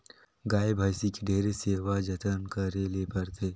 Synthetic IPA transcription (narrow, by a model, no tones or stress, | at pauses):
ɡaːjbʱaːjsikiɖʱeːɾeseːʋad͡ʒət̪ənkəɾelepəɾt̪ʰeː